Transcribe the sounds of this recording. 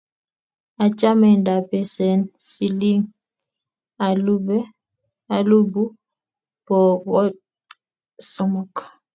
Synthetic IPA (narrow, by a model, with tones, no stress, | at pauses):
a˨t͡ʃa˦mɛ˨nda˨pɛ˨sɛ˨nsi˨li˦ŋ | a˨lu˦bɛ˦ | a˨lu˦bu˦ | pɔ˨ɣɔ˦ | sɔ˨mɔ˨k